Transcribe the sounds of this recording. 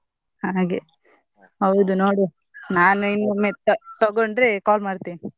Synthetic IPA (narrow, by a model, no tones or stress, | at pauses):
haːɡe | ɦɐwd̪unoːɽi | naːnuinːumet̪t̪ɐɡoɳɖɾekaːlmaːɽt̪ini